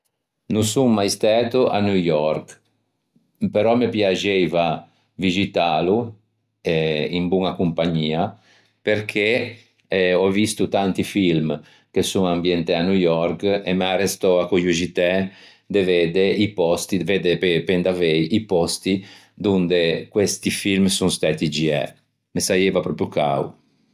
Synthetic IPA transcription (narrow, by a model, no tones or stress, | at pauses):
nusuŋmajst̪ɛːt̪uʔa̰nujɔɾk | peɾɔmepjad͡ʒɛjva | vid͡ʒit̪aːlu | ɛimbuŋakumpaɲiːa | peɾkʰe | ɔvist̪ut̪ant̪ifilm | kesuŋambjɛnt̪eanujɔrkemearest̪ɔakojuʒit̪ɛ | d̪eved̪eipɔst̪ived̪epepend̪avɛjipɔst̪i | d̪und̪ekwest̪ifilmsuŋst̪aːt̪id͡ʒiɛ̰ | mesajevapɾɔpɾjuka̰w